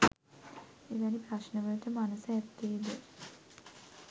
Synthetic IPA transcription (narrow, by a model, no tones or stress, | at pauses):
eʋænipɾaʃnəʋələʈəmanəsəæt̪ːeːd̪e